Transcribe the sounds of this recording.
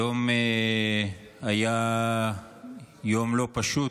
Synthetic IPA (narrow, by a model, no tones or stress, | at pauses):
ome | aja | jomlopaʃu